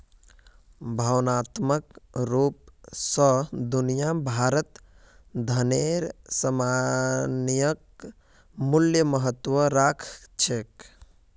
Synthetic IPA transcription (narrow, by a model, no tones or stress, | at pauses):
bʱəʋnat̪məkɾup̚səd̪unijabʱaɾət̪ | d̪ʱəneɾsəmanijək̚ | muljəməɦət̪ːʋəɾakʰt͡ʃʰek